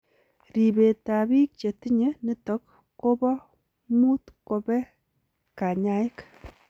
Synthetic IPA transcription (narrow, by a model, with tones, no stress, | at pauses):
ɾi˨be˨ta˨bi˦k̚t͡ʃe˨ti˦ɲe˦ni˦tɔ˦k̚ː | o˦bɔ˦ | mu˦tko˨bɛ˦ | ka˨ɲa˦ɪ˦k